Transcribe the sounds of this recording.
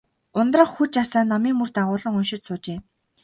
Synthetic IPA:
ʊnt̪rə̆χxut͡ɕasaːnːɔmiːŋmɵr̥t̪aʁʊːɮə̆ŋɵnʃɪ̆t̪sʊːt͡ɕeː

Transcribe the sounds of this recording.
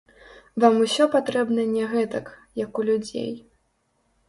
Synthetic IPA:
vamusʲɔpat̪ɾɛbnɐnʲɛɣɛt̪ɐkjɐkulʲud͡zʲḛj

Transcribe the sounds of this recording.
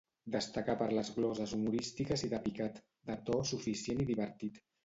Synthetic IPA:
d̪əst̪akapəɾləzɣlɔzəzumuɾist̪ikəziðəpikat̪ | d̪ət̪ɔsufisjeniðiβəɾt̪it̪

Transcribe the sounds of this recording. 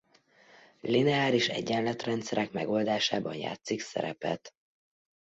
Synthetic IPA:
linɛaːliʃɛ̰ɟːɛnlɛt̪rɛnt̪sɛɾɛkmɛɡo̞ld̪aːʃaːbɒnja̰ːt̪siksɛ̰ɾɛ̰pɛ̰t̪

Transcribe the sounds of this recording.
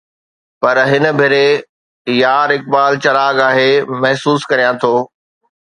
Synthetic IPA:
pɐɾɦɪnəbʱɪɾe | jaːɾɪk̚baːlt͡ɕɐlaːɡaːɦeːmɐɦsuːskɐɾijãt̪ʰoː

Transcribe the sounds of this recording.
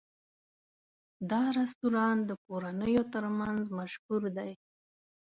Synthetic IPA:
d̪ɑɾast̪uɾɑnd̪əkoɾanəjot̪əɾmanzmaʃhuɾd̪aj

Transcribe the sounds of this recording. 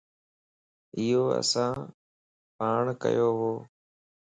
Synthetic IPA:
ɪjoːə̰sãː | paːɳkə̰joːɦoː

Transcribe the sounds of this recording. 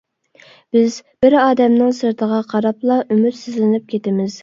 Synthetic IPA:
b̥ɪzb̥ɪɾɑːd̪ɛmnɨŋsəɾt̪ʰəʁɑqʰɑɾɑplˠɑʔymyt̪sɪzlɪnɪp̚kʲʰet̪ɪmɪz̥

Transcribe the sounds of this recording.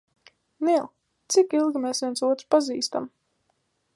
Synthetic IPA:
nilˠ | t̪sikilˠɡʲimeːsvʲiɛnsuɔt̪ɾpaziːst̪am

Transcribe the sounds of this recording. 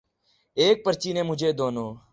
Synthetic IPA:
eːk̚pəɾt͡ʃiːnẽːmʊd͡ʒʱeːd̪oːnoː

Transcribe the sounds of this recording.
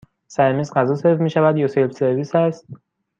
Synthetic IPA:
sæɾmiːzɢæzɒːselfmiːʃævæd̪jɒːselbse̞ɾviːsæst̪̚

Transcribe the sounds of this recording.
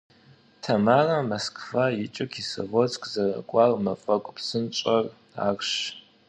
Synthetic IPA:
tʰɐmarɐmɐskʰʼfajit͡ʃʼɪkʰiso̰vot͡sʼkʼzɐrɐ̰kʷʼarmɐfʼɐkʷʼpʰsɨnt͡ʃʼɐr | a̰ːrʃ

